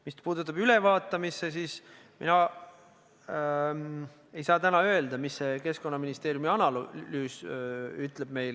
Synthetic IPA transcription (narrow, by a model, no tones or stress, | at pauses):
mispuːd̪ut̪ːˑɑbyle̞vɑːt̪ːˑɑmisːe̞siːs | mḭnɑ | e̞jsɑːt̪ænɑø̞eld̪ɑmisːe̞ke̞sko̞nːɑminist̪e̞ːɾjumiɑnɑllyːsyt̪ˑle̞b̥̚me̞jl